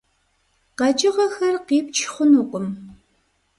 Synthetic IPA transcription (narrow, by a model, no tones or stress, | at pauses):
qɐd͡ʒʼɪʁɐxɐrqiːp̚t͡ʃʰχʷʊnuqʷʼʊm